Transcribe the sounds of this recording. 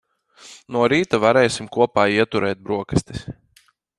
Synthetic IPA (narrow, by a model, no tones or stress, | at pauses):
nuɔɾiːt̪avaɾɛjsimkuɔpaːiɛt̪uɾɛːt̪̚bɾuɔkɐst̪i̥s